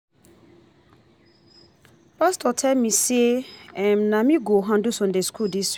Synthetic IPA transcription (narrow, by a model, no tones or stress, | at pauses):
pastɔtʰɛlmiseɛ̃mnamiɡoɦãndusɔ̃ndeskʰuldis